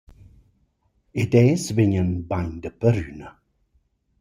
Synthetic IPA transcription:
ɪdɛːsvɪɲənbaɲd̪əpəɾyːnə

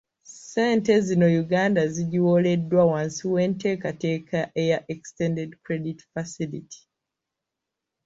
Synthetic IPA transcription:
seːntezino̞juɡaːndaziɟiwo̞le̞dːwawãnsiwe̞ːnte̞ːkate̞ːkʰaʔejaʔekstẽndedkɾe̞ditfasilitʰi̥

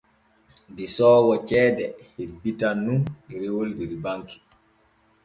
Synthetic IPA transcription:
disɔːwɔt͡ʃɛːdɛhebːitanːuniɾewoldiɾibaŋki̥

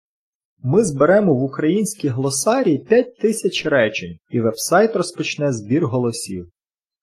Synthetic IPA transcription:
mɪzbeɾɛmɔʋʊkɾɐjinʲsʲkʲijɦlˠɔsɑɾʲiːpʲat̚ʲt̪ɪsʲɐt͡ʃɾɛt͡ʃenʲiʋɛwsɑjt̪rɔspɔt͡ʃnɛzbʲirɦɔlˠɔsʲiw

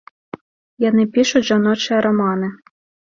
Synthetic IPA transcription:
jɔnɪpʲiʃʊʒɐnɔt͡ʃɪɐɾɔmɑnɪ

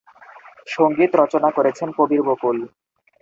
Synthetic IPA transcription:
ʃoŋɡit̪ɾɔt͡ɕonakoɾet͡ɕʰenpobiɾbokul

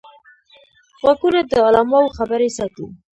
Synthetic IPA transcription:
ɣaɡunad̪əalɑmɑwxabəɾesɑt̪u

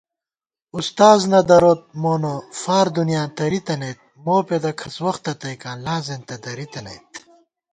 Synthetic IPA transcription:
ust̪aːznɐd̪ɐɾoːt̪̚moːnofaːɾd̪unjaːt̪ɐɾit̪ɐnɐjt̪̚moːped̪ɐkʰɐswɐxt̪ɐt̪ɐjkaːnlaːzent̪ɐd̪ɐɾit̪ɐnɐ̰jt̪̚

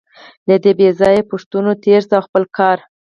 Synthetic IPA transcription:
lad̪əbezɑjepʊʂt̪unot̪ʰeɾsawxpəlkʰɑɾ

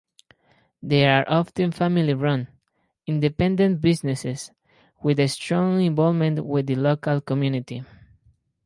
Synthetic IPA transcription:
ðeɹaɹʔɔft̪ɨ̃nfamiliɹʌ̃n | ĩnd̪epɛ̃nd̪ẽnt̪̚bisneses | wiðest̪ɹɔ̃ŋĩɱvɔlmẽntwiðɨlokalkomjunit̪i

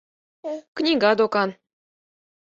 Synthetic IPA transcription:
knʲiɡɑd̪okɑn

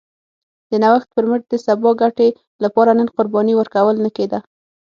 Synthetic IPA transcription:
d̪̥ənawaxt̪̚pəɾməɾ̚d̪əsabɑɡaʈe | lapɑɾanənqʊɾbɑniwəɾkawəlnəked̪a

